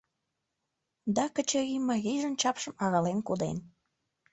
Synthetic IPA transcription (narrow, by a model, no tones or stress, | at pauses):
d̪ɑkət͡ɕəɣiməɣijʒənt͡ɕɑpʃəmɑɣɑlenkud̪ḛn